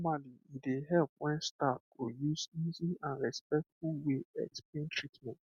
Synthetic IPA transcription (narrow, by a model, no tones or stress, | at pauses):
ɔmaliideɦɛlp̚wɛ̃nstappojusiziãnɹɛspɛk̚tfulweɛ̰ksplẽntʰɹitmɛ̃nt